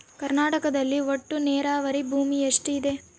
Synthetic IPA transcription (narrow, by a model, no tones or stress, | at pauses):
kɐɾnaːʈɐkɐd̪ɐlːiʋoʈːuneːɾaːʋɐɾibʱuːmieʂʈid̪e̞